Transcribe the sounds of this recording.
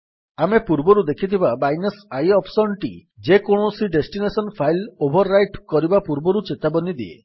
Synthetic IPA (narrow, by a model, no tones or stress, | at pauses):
amepuɾbɔɾud̪ekʰit̪ʰibabajnesajɔpʰsɔnʈid͡ʒekoɽ̃osiɖesʈinesɔnpʰajlobʱɔɾːajʈkɔɾibapuɾbɔɾut͡ʃet̪abɔnid̪iḛ